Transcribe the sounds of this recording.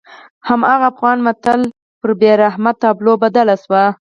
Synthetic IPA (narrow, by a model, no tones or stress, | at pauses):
hamɑɣaːfɣɑnmat̪al | pəɾbeɾaɦmat̪ːɑblobad̪alaswa